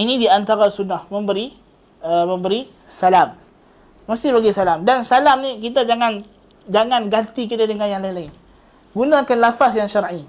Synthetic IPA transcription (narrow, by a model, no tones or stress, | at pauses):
inidiant̪aɾasunːahmə̃mbəɾi | əməmbəɾi | salamː | ast̪ɪhbaɡisalamdansalamnik̬it̪̬ad͡ʒaŋan | d͡ʒaŋanɡant̪ikit̪adəŋanjaŋlainlaɪn | ɡunakanlafasjaŋʃaɾʔi